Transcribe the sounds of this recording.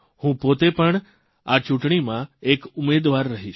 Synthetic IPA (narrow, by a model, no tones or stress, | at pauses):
hũpot̪epəɳ | at͡ʃũʈɳimãekʊmed̪ʋaɾːəɦiʃ